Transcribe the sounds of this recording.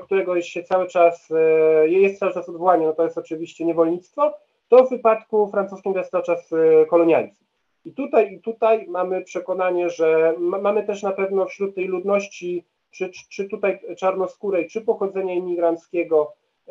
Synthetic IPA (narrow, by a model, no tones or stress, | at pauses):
k̚t̪uɾɛɡɔɕɛt̪sawɘt͡ʂasjjɛst̪sawɘt͡ʂasɔd̪vɔwaɲɛnɔt̪ɔjɛst̪ɔt͡ʂɘvʲiɕt͡ɕɛɲɛvɔlɲit̪st̪fɔ | t̪ɔvːɘpat̪kufɾant̪suskʲimvʲast̪at͡ʂaskɔlɔɲja̰lsʲi̥ | it̪ut̪ajit̪ut̪ajmamɘpʂɛkɔnaɲɛʐɛmmamɘt̪ɛʂnapɛvnɔfɕɾut̪ːɛjlud̪nɔɕt͡ɕi | t͡ʂɘt͡ʂɘt̪ut̪ajt͡ʂaɾnɔskuɾɛkt͡ʂɘpɔxɔd̪zɛɲaimʲiɡɾant̪skʲɛɡɔ